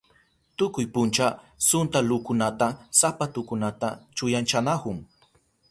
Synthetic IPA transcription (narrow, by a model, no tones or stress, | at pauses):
t̪ʊkʊjpʊnt͡ʃa | sʊnt̪aluːkʊnat̪asapat̪ʊkʊnat̪at͡ʃʊjant͡ʃanahʊŋ